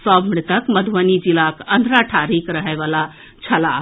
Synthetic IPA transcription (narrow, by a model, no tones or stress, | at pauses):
sɔbmɳit̪əkməd̪ʱʋənid͡ʒilakənd̪ʱɾaʈʰaɾikɾəɦɛʋala | t͡ʃʰəla